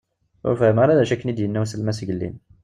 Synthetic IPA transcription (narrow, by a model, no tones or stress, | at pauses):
æ̰fæmaɾælæʃækːənid̪jənːæwsəlmæsʝəlːḭm